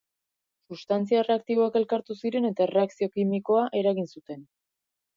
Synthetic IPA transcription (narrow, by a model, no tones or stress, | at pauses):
sust̪ant͡siaere̞ak̚t̪iβ̞o̞ake̞lkaɾt̪usiɾe̞ne̞t̪aere̞aksio̞kimiko̞aʔe̞ɾaɣinsut̪e̞n